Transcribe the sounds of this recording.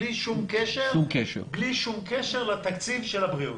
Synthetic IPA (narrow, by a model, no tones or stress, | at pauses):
liʃumkeʃeʁumkeʃḛbliʃumkeʃeʁlat̪akt͡sivʃelabʁiut